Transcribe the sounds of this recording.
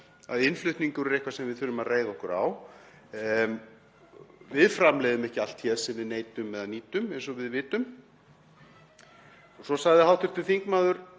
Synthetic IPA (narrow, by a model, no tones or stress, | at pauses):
a̰ðɪnflʏht̪niŋkʏɾɛɾejhkvasɛmvɪðθʏlʏmaðreːjðaɔhkʏɾa̰w | vɪðfɾamlɛjðʏmɛhcɪal̥t̪çɛsɛmvɪðneːjt̪ʏmɛðaniːt̪ʏmɛnsɔvɪðvɪːt̪ʏm | sɔsaɣðɪhawt̪ʏɾ̥t̪ɪlfiŋkmaːðʏɾ̥